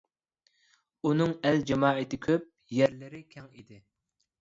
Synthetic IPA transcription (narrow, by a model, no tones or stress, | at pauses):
unɨŋɛld͡ʒɑmɑːet̪ɪkʲʰøp̚ | jɛɾlɪɾɪkʲʰɛŋid̪ɪ